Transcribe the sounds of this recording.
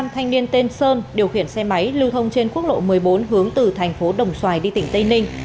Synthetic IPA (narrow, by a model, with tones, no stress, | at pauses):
a˧mt̪ʰa˧jŋ̟ni˧ənt̪e˧nsəː˧nɗi˨˩əwxḭ˧˩ənsɛ˧ma˨˦jlɨ˧wt̪ʰə˧wŋ͡mt͡ɕe˧nku˦˥ək̚lo̰˧˨mɨ˨˩əjɓo˨˦nɦɨ˨˦əŋt̪ɨ˨˩t̪ʰɛ˨˩jŋ̟fo˨˦ɗə˨˩wŋ͡mswaː˨˩jɗi˧t̪ï˧˩ŋ̟t̪ə˧jnï˧ŋ̟